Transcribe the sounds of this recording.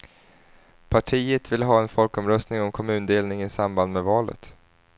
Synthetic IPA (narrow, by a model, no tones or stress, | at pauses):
pʰaʈʰiːət̪vɪlɦɑːɛnfɔlkɔmɾœst̪nɪŋɔmkʰɔmʉ̟ːnd̪eːlnɪŋɪsamband̪mɛvɑːlə̰t̪